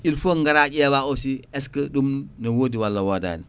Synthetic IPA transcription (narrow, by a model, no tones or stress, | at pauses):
ilfoŋɡaɾaːɟɛːbaosiɛskɐdumnɐwoːdiwalːɐwoda̰ːni